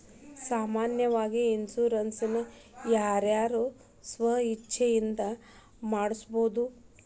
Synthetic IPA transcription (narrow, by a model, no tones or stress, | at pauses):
saːmaːnjɐʋaːɡiinsuːɾɐnsinu | jaːɾjaːɾu | sʋɐɦɐit͡ʃːʃʰɛjind̪ɐ | maːɽisboːd̪u